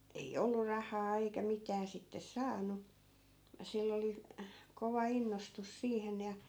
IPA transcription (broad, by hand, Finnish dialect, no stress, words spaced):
ei olːur̆ rɑhɑː eikæ mitæː sitːes sɑːnˑu silː oli koʋɑ inːostus siːhen jɑ